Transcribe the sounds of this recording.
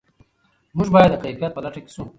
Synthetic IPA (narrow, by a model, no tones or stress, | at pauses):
muʒbɑːjɐd̪ːəqaifjat̪̚pəlaʈʰeki̥sũ